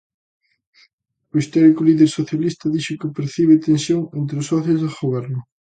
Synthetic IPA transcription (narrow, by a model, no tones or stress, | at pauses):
ʊist̪ɔɾikʊliðeɾsoθjalist̪ɐðiʃʊkɪpeɾθiβ̞ɪt̪ensjoŋent̪ɾɪʊsːɔθjʊzðɪɣoβɛɾnʊ